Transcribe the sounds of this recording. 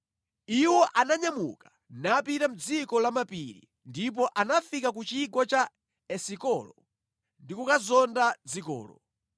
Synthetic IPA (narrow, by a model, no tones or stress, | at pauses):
iwɔʔanaɲamṵkḁ | napitam̩d͡zikɔlamapiɾḭ | ndip̬ɔʔanafikakut͡ʃiɡɔt͡ʃa | ɛsikɔlɔ | ndikukazɔndad͡zikɔ̰ːlɔ̰